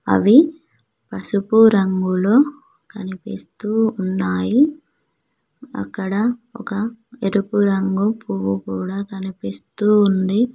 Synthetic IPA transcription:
ɐ̰ʋi | pɐsupuɾɐŋɡuloː | kɐnipist̪uːunːaːji | ɐ̰kːɐɽɐɔ̰kɐeɾupuɾɐŋɡupuʋukuːɽaːkɐnipist̪uːnd̪i

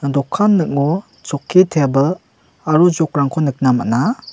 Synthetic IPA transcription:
dɔkʰːanːɯk̚ŋɔ | t͡ʃɔkʰːitʰebəl | aɾuzɔk̚ɾaŋkʰɔnɯk̚nama̰na

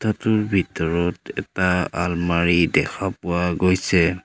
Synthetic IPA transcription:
tʰatʊɹbʱitɔɹɔtɛtaalmaɹidɛkʰapʊwaɡojsɛ

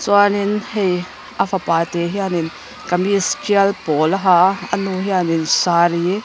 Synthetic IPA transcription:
t͡suaninhej | ʔafɐpaːt̪eɦianin | kɐmiskiɐlpɔlaɦaɐnuɦianinsaːɾi

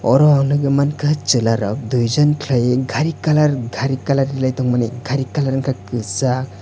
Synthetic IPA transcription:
ɔɾɔawnɯɡɯmankʰɯt͡ʃɯlaɾɔk̚dujzɔnkʰlajeɡʱaɾikalaɾɡʱaɾikalaɾːilajtɔŋmaneɡʱaɾikalaɾŋkʰakɯsa

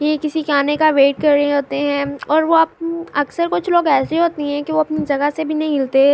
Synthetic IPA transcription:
jekɪsikaːnekaʋeːʈ̚kɐɾeɦoːt̪eɦɛ̃ɔːɾʋoaːp̚ɐksəɾkʊt͡ʃʰloːɡɛːseiɦoːt̪eɦɛ̃kiʋoɐpnid͡ʒɐɡəsebʱinɐɦĩmɪlt̪e

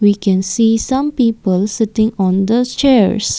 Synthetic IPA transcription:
wikɛ̃nsiːsãmpiːpəlsɪtɪ̃ŋɔ̃nd̪ost͡ʃɛɹs

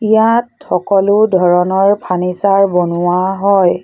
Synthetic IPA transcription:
ijatxɔkɔlʊdʱɔɹɔnɔɹpʰanisaɹbonuwaɦɔj

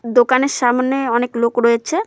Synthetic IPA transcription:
d̪okaneɾʃamneɔneklokɾɔet͡ɕʰe

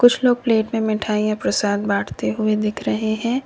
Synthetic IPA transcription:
kʊt͡ʃʰloːɡ̚pleːʈmẽmɪʈʰaːijãpɾɐsaːd̪baːʈʰt̪eɦʊed̪ɪkʰɾɐɦeɦɛ̃ː

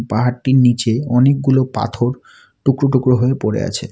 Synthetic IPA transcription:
paɦaɽʈiɾnit͡ɕeɔnek̚ɡulopa̰t̪ʰoɾ | ʈukɾoʈukɾoɦoepoɾḛa̰t͡ɕʰḛ

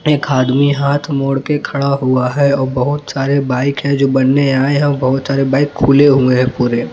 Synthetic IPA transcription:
eːkaːd̪miɦaːt̪ʰmoːɽkekʰɐɽaɦuaɦɛɔːɾbɐɦʊt̪saːɾebaːɪkɦɛ̃d͡ʒoːbɐnːeaːeɦɛ̃ɔɾbɐɦʊt̪saːɾebaːɪkʰːuleɦueɦɛ̃puːɾe

